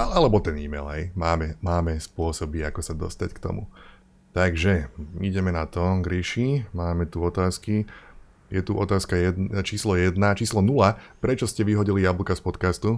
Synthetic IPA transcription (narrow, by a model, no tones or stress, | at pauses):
aalɛbɔt̪ɛniːmɛ̰lɦɛjmaːmɛmaːmɛspʊɔsɔbiakɔsad̪ɔ̰st̪ackt̪ɔ̰mṵ | t̪aɡʒɛiɟɛmɛnat̪ɔɡɾiʃimaːmɛt̪uɔt̪aːski | jɛt̪uʔɔt̪aːskajɛd̪t͡ʃiːslɔjɛd̪nat͡ʃiːslɔnulapɾɛt͡ʃɔscɛʋiɦɔɟilijabl̩kaspɔt̪kast̪u